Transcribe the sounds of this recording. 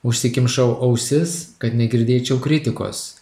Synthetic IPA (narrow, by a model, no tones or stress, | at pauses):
ʊʃʲsʲɪkʲɪmʃɐʊʔɐʊsʲɪskɐt̪nʲɛɡʲɪɾʲd̪ʲeːt͡ʃʲɛʊkɾʲɪt̪ʲɪko̰ːs